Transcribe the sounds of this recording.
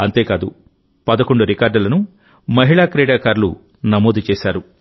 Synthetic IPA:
ɐnt̪e̞ːkaːd̪ṵ | pɐd̪ɐkoɳɖuɾikaːɾɖɐlɐnu | mɐɦiɭaːkɾɛːɽaːkaːɾlṵ | nɐmoːd̪ut͡ʃeɛːʃaːɾu

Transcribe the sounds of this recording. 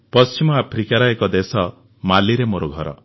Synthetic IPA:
pɔst͡ʃimɔapʰɾikaɾɔekɔd̪esɔ | maliɾemoɾɔɡʱɔɾɔ̰

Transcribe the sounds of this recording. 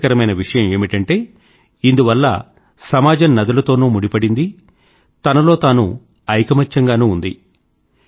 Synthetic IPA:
kɐɾɐmɐjnɐʋiʂɐjɐme̞ːmiʈɐɳʈe̞ː | ind̪uʋɐlːɐ̰ | sɐmaːd͡ʒɐmnɐd̪ɐlɐt̪o̞ːnuːmuɽipɐɽind̪i | t̪ɐnɐlo̞ːt̪aːnṵ | ɐjkɐmɐt͡ʃːɐŋɡaːnuːnd̪ḭ

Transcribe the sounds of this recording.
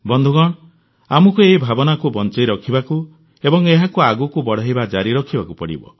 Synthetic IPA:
bɔnd̪ʱuɡɔɽ̃ | amɔkueɦibʱabɔnakubɔnt͡ʃɔjɾɔkʰibaku | ebɔŋeɦakuaɡukubɔɽ̤aɦibad͡ʒaɾiɾɔkʰibakupɔɽḭbɔ̰

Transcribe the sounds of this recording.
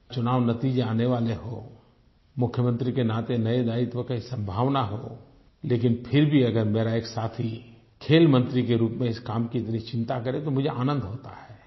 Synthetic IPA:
t͡ʃʊnaːʋnɐt̪iːd͡ʒeaːneʋaːleɦo̰ | mʊkʰjəmə̃nt̪ɾikenaːt̪enɐed̪aːɪt̪ʋəkaisɐ̃mbʱaːʋnaɦoː | leːkɪnpʰɪɾbʱiɐɡəɾmeːɾaeːksaːt̪ʰi | kʰeːlmə̃nt̪ɾikeɾuːpmẽɪskaːmkiɪt̪nit͡ʃɪ̃nt̪akɐɾẽt̪omʊd͡ʒʱeʔaːnə̃nd̪ʱɦoːt̪a̰hɛː

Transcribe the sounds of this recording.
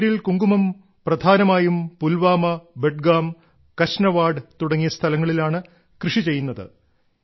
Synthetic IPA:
ɾilkuŋɡumɐm | prɐd̪ʱaːnɐmaːjumpulʋaːmɐbe̞ʈɡaːm | kɐɕnɐʋaːɖɨt̪uɽɐŋːijɐst̪ʰɐlɐŋːɐɭilaːɳɨ | krɨʂit͡ɕe̞jːunːɐðɨ̰

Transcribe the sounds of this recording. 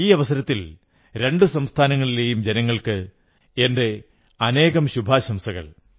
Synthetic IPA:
iːɐʋɐsɐɾɐt̪ːil | ɾe̞ɳɖɨsɐmst̪ʰaːnɐŋːɐɭile̞ːjumd͡ʑe̞nɐŋːɐɭkɨ | e̞nde̞ | ɐne̞ːɣɐmɕubʱaːɕɐmsɐɣɐ̰ɭ

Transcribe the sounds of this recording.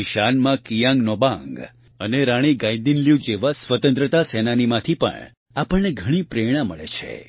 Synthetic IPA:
iʃanmãkijãŋɡnobãŋɡ | əneɾaɽ̃iɡãĩd̪inljũd͡ʒeʋasʋət̪ə̃nt̪ɾət̪asɛnanimãt̪ʰipə̰ɳ | apəɳneɡʱəɽ̃ipɾeɽ̃aməɭet͡ʃʰḛ

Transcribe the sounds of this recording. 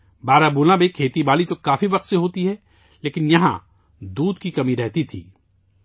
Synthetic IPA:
baːɾabuːlabekʰeːt̪ibaːlit̪okaːfibɐqt̪seɦoːt̪iɦɛː | leːkɪnjɐɦã̰ | d̪uːd̪kikɐmiɾɛɦt̪it̪ʰḭː

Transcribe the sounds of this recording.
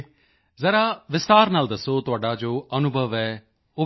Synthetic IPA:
zəɾaːʋɪst̪aːɾnaːld̪əsoːt̪ʊaːɖaːd͡ʒoːənʊbʱəʋɛː | ʊ

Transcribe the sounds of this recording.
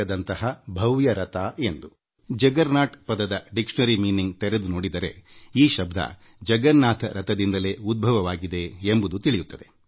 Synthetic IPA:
ɐd̪ɐnt̪ɐɦɐbʱɐʋjɐɾɐt̪aːend̪u | d͡ʒɐɡɐɾnaːʈpɐd̪ɐd̪ɐɖikʂnɐɾimiːniŋɡt̪ɛɾed̪unoːɽid̪ɐɾe̞̰iːʃɐbd̪ʱɐ̰ | d͡ʒɐɡɐɾnaːt̪ʰɐɾɐt̪ɐd̪ind̪ɐle̞ːud̪̚bʱɐʋɐʋaːɡid̪e̞ːmbud̪ut̪iɭijut̪ːɐd̪e̞

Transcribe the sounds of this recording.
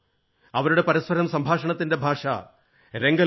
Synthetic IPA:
ɐʋɐɾuɽe̞pɐɾɐspɐɾɐmsɐmbʱaːʂɐɳɐt̪ːinde̞bʱaːʂɐ̰ | ɾe̞ŋɡɐ

